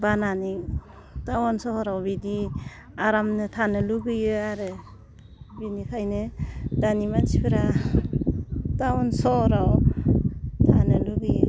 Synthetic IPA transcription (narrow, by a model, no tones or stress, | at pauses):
bananiŋ | tawɔnsɔhɔɾawbidi | aɾamnɯtʰanɯluɡɯjɯaɾɯ | binikʰajnɯdanimat͡ʃipʰɯɾa | tawɔnsɔɾaw | tʰanɯluɡɯjɯ